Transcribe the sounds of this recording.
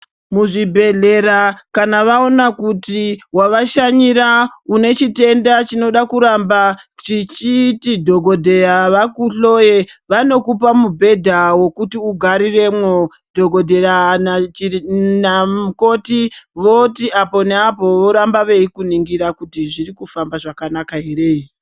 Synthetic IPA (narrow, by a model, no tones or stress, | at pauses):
muʐibʱe̞ɮe̞ɾakanaʋao̞nakutiwaʋaʃaɲiɾaune̞t͡ʃite̞ndat͡ʃino̞ɗakuɾambat͡ʃit͡ʃitidʱo̞ɡʱo̞dʱe̞ɾaʋakuɬo̞je̞ʋano̞kup̬amubʱe̞dʱawo̞kutiuɡʱaɾire̞mwo | dʱo̞ɡʱo̞dʱe̞ran | nauko̞tiʋo̞tiapo̞neapo̞ʋo̞ɾambaʋe̞ikuniŋɡiɾakutiʐirikufambaʐakanakaɦere̞i